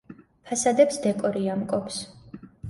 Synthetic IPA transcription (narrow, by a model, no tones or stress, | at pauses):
pʰasad̪ɛpsd̪ɛkʼɔɾiamkʼɔps